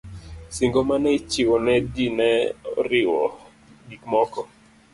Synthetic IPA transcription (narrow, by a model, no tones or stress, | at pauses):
siŋɡomanɛit͡ʃiwonɛd͡ʒinɛɾɪwɔ̰ | ɡikmɔkɔ